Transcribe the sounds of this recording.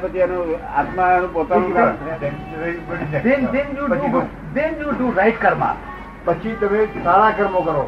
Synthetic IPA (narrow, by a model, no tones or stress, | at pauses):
pət͡ʃʰianũa̰t̪maanũpot̪anũka | pəd̪ɛ̃nd̪ɛnjuu | d̪enjuːɖũɾajʈkəɾmã̰ | pət͡ʃʰit̪əmesaɽakəɾmokəɾo